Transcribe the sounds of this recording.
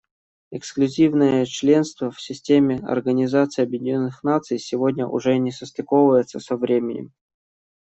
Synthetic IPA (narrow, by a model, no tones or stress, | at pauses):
ɪksklʲʉzʲivnɨjət͡ɕlʲe̞nst̪vəfsʲɪsʲtʲemʲɪɐ̰rɡənʲɪzat̪sɨjɐbjɪdʲɪnʲonːɨxnat̪sɨjsʲɪvodʲnʲəʔʊ̰ʐɛnʲɪsəst̪ɪkovvəjɪt̪səsəvɾʲemʲɪnʲɪ̰m